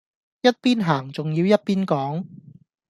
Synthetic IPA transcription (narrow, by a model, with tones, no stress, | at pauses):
jɐ˥t̚piː˥nɦaː˨˩ŋt͡sʊ˨ŋjiː˧wjɐ˥t̚piː˥nkɔː˨˥ŋ